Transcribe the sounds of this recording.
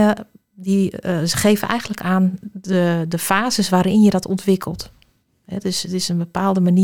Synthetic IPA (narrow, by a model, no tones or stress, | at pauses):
diɣeːvənʔɛ̰jɣənləkaːnədəfaːzəsʋaːɾɪnjədɔtʰɔntʋɪkʰəlˠt | ɛdøsətɪsənbəpaːlˠdəmani